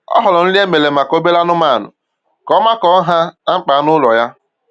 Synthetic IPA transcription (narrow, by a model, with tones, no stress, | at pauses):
ɔ̰˦ɦɔ˨lɔ˨n̩˦li˦e˦me˨le˨ma˨ko˦be˦la˦nʊ˦ma˦˨nʊ̰˨ | kɔ˨˦ma˦kɔ˨˦ɦa˦a˦ŋ͡m̩˦k͡pa˨a˦nʊ˦lɔ˨ja˦